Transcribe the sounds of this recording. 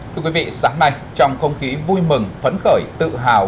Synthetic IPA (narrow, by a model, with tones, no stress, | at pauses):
t̪ʰɨ˧əkwi˨˦vḭ˧˨saː˨˦ŋna˧j | t͡ɕɔ˧wŋ͡mxə˧wŋ͡mxi˨˦vu˧jmɨ˨˩ŋfə˨˦nxəː˧˩jt̪ɨ̰˧˨ɦaː˨˩